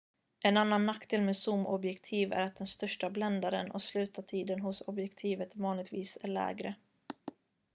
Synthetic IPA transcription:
ʔɛnanːanːakːd̪ʰɪːlmeːd̪sʊmɔbjɛkt̪ʰiːvæ̰ɾat̪̚d̪ɛnst̪œʂʈablɛnd̪aɾənɔ̰slʉ̟ːt̪at̪ʰiːd̪ənɦʊsɔbjɛkt̪ʰiːvət̪vɑːnlɪɡt̪viːsæ̰ɭɛ̰ːɡɾə

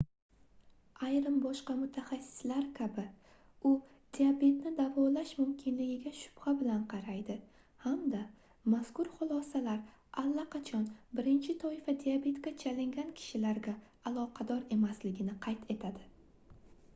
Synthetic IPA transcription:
ajɾɪmbɒʃqɑmʊt̪ʰaχasːɪ̥slaɾkʲʰabɪ | ʊ | d̪̥iabe̞t̪nɪd̪avɒlaʃmʊmkʲʰɪnlɪɡʲɪɡʲaʃʊ̥b̥habɪlanqʰɑɾajd̪ɪ | hamd̪a | maskʊɾχʊlˠɒsalaɾ | alːaqʰɑt͡ʃʰɒnbɪɾɪnt͡ʃʰɪt̪ʰɒɪfad̪ijabe̞t̪kʲat͡ʃʰalɪŋɡʲankʲʰɪ̥ʃɪlaɾɡʲaː | lˠɒqʰɑd̪ɒɾe̞maslɪɡʲɪnɪqʰɑjt̪ʰe̞t̪ʰad̪ɪ

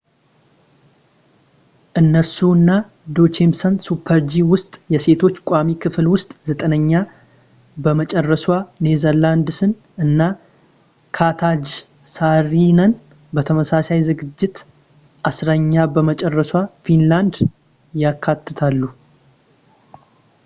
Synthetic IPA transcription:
ʔɨnːəsuɨnːa | d̪o̞t͡ʃemsənsupʰːəɾd͡ʒiwʊst̪ʼjɛse̞t̪ʰo̞t͡ʃːkʷʼamikʰɨflwʊst̪ʼzət̪ʼənəɲːa | bəmət͡ʃʼɛrːəswane̞zəɾland̪sɨn | ʔɨnːa | kʰat̪ʰad͡ʒ | saɾinən | bət̪ʰəməsasajzɨɡɨd͡ʒːɪt̪ | ʔasɾəɲːabəmət͡ʃʼɛrːəswafinland̪ | jakʰːat̪ʰːɨt̪ʰalːu

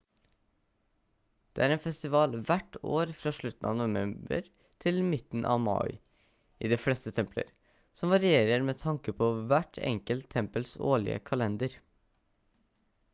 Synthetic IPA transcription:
d̪̥eːæːɾeːnfɛst̪ɪʋɑːlʋæʈo̰ːɾfɾɑːʂɭʉt̪n̩ʔɑ̰ːnʊʋɛmbə̰ɾ | t̪ʰɪlmɪt̪n̩ʔɑ̰ːʋmɑ̰ɪ | ʔiːd̪eːflɛst̪ət̪ʰɛmplə̰ɾ | sɔmʋɑɾɪeːɾəɾmeːt̪ʰɑŋkəpʰoʋæʈʰɛ̰ŋkəlt̪ʰɛmpəlso̰ːɭɪ̰ə̰kʰɑlɛnd̪əɾ

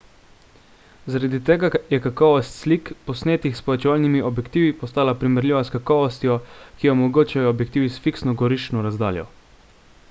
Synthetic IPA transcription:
zaɾad̪it̪ɛːɡajɛkakɔːʋɔst̪slikpɔsneːt̪ixspɔʋɛt͡ʃɛʋaːlnimiʔɔbjɛkt̪iːʋipɔst̪aːlapɾimɛɾlʲiʋaskakɔːʋɔst̪jɔkijɛɔmɔɡoːt͡ʃajɔːbjɛk̚t̪iːʋisfiksnɔɡɔɾiʃt͡ʃnɔɾazd̪a̰ːljɔ̰

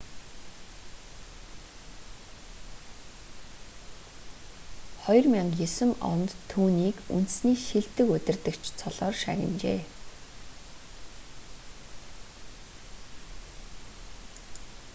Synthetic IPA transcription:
χɔjrmʲiɴjɵsɘ̆mɔ̰nt̪ʰːuːniːkṵn̥t̪̆sniːʃiɮt̪ɘ̆kɵt̪ʲɪ̆rt̪ɘ̆kt͡ɕʰt͡sʰɔɮɔːrʃæɣʲɪ̰̆nt͡ɕḛː

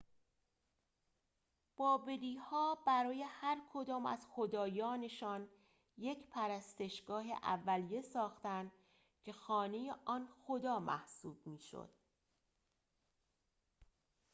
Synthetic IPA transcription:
b̥ɒːbe̞liːhɒːbæɾɒːje̞hæɾkʰo̞d̪ɒːmæ̰z̥xo̞d̪ɒːjɒːne̞ʃɒːn | je̞cʰpʰæɾæst̪e̞ʃɡɒːɦe̞̰ʔæ̰vːælije̞sɒːxt̪ænd̪ | cʰe̞xɒːne̞je̞ʔɒːnxod̪ɒːmʔæ̰hsuːb̥̚miːʃo̰d̪̥

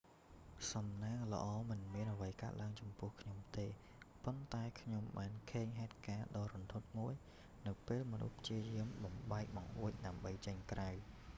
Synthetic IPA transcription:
sɑmnaːŋlə̰̆ʔɑːmɨnmiənʔəʋəjkaət̪̚laəŋt͡ɕɑmpʊ̆əhkʰɲomt̪eː | pont̪aɛkʰɲomɓaːnkʰeːŋɦaɛt̪̚kaːɗɑːɾont̪ʰot̪̚muəj | nɨwpeːlmɔnṵhpʰt͡ɕiəjiəmɓɑmɓaɛk̚ɓɑŋʔuəc̚ɗaəmɓəjt͡ɕəɲkraw

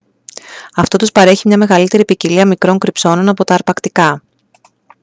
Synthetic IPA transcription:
ɐft̪o̞t̪uspɐɾe̞çimɲɐme̞ɣɐlit̪e̞ɾipiciliɐmikɾo̞ŋkɾipso̞no̞nɐpo̞t̪ɐːɾpɐkt̪ikɐ

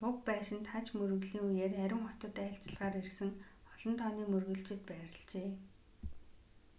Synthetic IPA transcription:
pʊk̚pæːʃɪ̆nt̪χat͡ɕmɵrɵ̆ɣɮiːŋujeːræɾʲɪ̆ŋχɔt̪ə̆t̪æːɬt͡ɕ̆ɮʁaːɾirsɘ̆ŋ | ɔɮɞ̆nt̪ʰɔːniːmɵrɣɵ̆ɬt͡ɕɪ̆t̪̚pæːɾə̆ɮt͡ɕeː

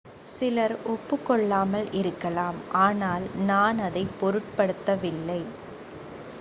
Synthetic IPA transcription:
sɪlɐɾɔpːɯkːɔɭːaːmɐlɪɾɯkːɐlaːmʔaːnaːlnaːnɐðɐɪpːɔɾɯʈ̚pɐɽɯt̪ːɐʋɪlːɐɪ

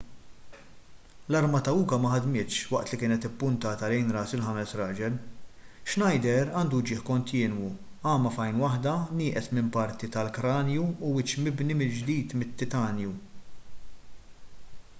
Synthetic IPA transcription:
lɐɾmɐt̪ɐuːkɐmɐħɐd̪mɪːt̪ʃwɐʔt̪likɪːnɛt̪ɪpːʊnt̪ɐːt̪ɐlɛjnɾɐːsɪlħɐmɛsɾɐːd͡ʒɛlʃnɐjd̪ɛɾɐːnd̪ud͡ʒɪːħkɔnt̪ɪːnwu | ɐːmɐfɐjnwɐħd̪ɐnɪːʔɛsmɪmpɐɾt̪it̪ɐlkɾɐːnjuːwɪt͡ʃmɪbnimɪld͡ʒd̪iːt̪mɪt̪ːɪt̪ɐːnju

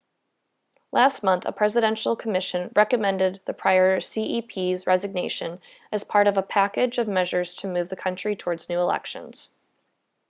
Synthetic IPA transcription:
lʔæst̚mʌ̃nθə̰pʰɹ̥ɛzɨɾɛ̃nʃl̩ˠkʰəmɪʃɨ̃nɹɛkɨmɛ̃ndɨd̪̚ðɨpʰɹ̥aɪə˞siʔipʰizɹɛzɨɡ̚neɪʃɨ̃n | ɨz̥pʰɑɹɾʌvəpʰækɪd͡ʒʌvmɛʒə˞z̥tʰɨmʉvðɨkʰʌ̃nt͡ʃɹ̥itʰɔɹdznʉəlɛ̰kʃɨ̰̃nz̥

